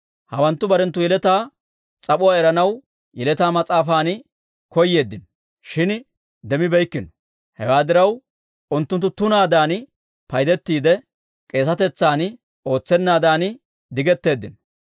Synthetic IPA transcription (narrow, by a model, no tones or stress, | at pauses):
hɐwɐnt̪ːʊbɐɾɛnt̪ːʊjɛlɛt̪aː | t͡sʼɐpʊaːɛɾɐnɐw | jɛlɛt̪aːmɐt͡sʼaːfaːn | kɔjːe̞ːd̪ːɪnɔ | ʃɪn | d̪ɛmɪbɛjkːɪnɔ̥ | hɛ̰waːd̪ɪɾɐw | ʊnt̪ːʊnt̪ːʊt̪ʊnaːd̪aːn | pɐjd̪ɛt̪ːiːd̪ɛ | kʼe̞ːs̬ɐt̪ɛt͡sːaːn | o̞ːt͡sːɛnːaːd̪aːn | d̪ɪɡɛt̪ːe̞ːd̪ːɪnɔ